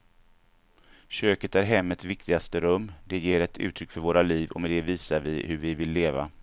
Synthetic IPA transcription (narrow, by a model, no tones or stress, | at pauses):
ɕøːkət̪æɾɦɛmːət̪svɪk̚t̪ɪɡast̪əɾɵmːd̪ɛjeːɾɛt̪ʰʉ̟ːt̪ʰɾʏkːfœɾvoːɾaliːvɔ̰mɛd̪ɛviːsaɾvɪ̰hɵɾvɪvɪlːeːva̰